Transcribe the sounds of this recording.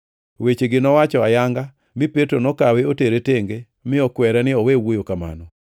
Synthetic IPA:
wet͡ʃeɡɪnɔwat͡ʃɔajaŋɡa | mɪpetɾonɔkaweoteɾeteŋɡe | mɪɔkwɛɾɛnɪɔwewojokama̰nɔ

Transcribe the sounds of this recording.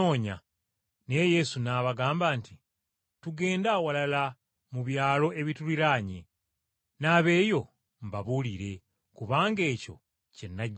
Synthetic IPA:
oːɲa̰ | ne̞je̞sunaːβaɡaːmbaːnti | tuɡe̞ːndawalala | muβjaːlo̞ʔe̞βituliɾaːɲe | naːβe̞ːjo̞ | mbaβuliɾe̞ | kuβaːŋɡe̞ːco̞̰ | ce̞nːaɟ

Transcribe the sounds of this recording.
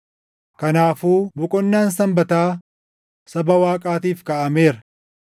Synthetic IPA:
kɐnaːfuːbʊkʼɔnːaːnsɐmbɐt̪aː | sɐbɐwaːkʼaːt̪iːfkɐʔɐme̞ːɾɐ

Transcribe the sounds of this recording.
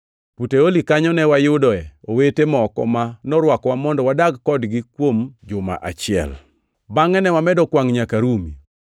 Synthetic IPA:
puteolikaɲɔnɛwajʊdɔɛowetemɔkɔ̰manɔɾwakwamɔndɔwadaɡːɔdɡikwomd͡ʒʊma̰ʔa̰t͡ʃɪɛ̰l | baŋɛnɛwamɛdɔkwaŋɲakaɾumḭ

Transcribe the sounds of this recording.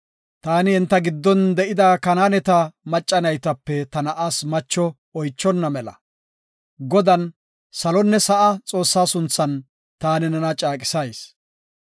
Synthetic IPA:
t̪aːnɪɪnt̪ːɐɡɪd̪ːɔnd̪ɛʔɪd̪aːkɐnaːnɛt̪ɐmɐt͡ʃʼːɐnɐjt̪ɐpːɛt̪ɐnɐʔaːsmɐt͡ʃːɔ | ɔjt͡ʃːɔnːɐmɛlɐ̰ | ɡɔd̪ɐn | sɐlɔnːɛsɐʔɐt͡sʼo̞ːsːaːsʊnt͡sːɐn | t̪aːnɪnɐnɐt͡ʃʼaːkʼɪ̥sɐjs

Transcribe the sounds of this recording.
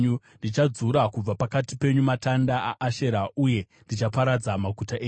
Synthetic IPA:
u | ndit͡ʃad͡zuɾakub͡vapakatipe̞ɲumatandaʔaʔːʃe̞ɾauje̞ndit͡ʃapaɾad͡zamaɡʱutaʔeː

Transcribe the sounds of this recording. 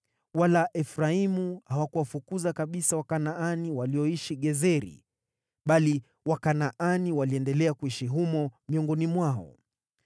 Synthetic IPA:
walaʔɛfɾaimuhawakuwafukuzakaɓisawakanaaniwaliɔiʃiɠɛzɛɾḭ | ɓali | wakanaʔaniwaliɛndɛlɛakuiʃiɦumɔmiɔŋɡɔnimwaɔ̰

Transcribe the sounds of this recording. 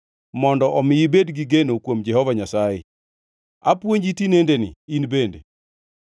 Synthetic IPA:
mɔndɔʔɔmɪjibedɡiɡenokwomd͡ʒɛhɔvaɲasajɛ̰ | apwoɲd͡ʒitinendenɪ̰inbende

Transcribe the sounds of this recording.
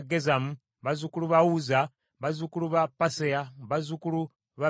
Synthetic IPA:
ɡezamu | βazukuluβawuza | βazukuluβapaseaβazukulu | βa

